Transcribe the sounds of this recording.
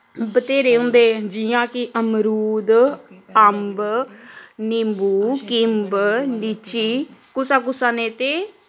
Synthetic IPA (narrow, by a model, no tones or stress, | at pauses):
bət̪eːɾeːɦõːnd̪eːd͡ʒiãːkɪʔəmɾuːd̪əmb | nɪmbuːkɪmblit͡ʃiːkʊsaːkʊsaːnẽːt̪eː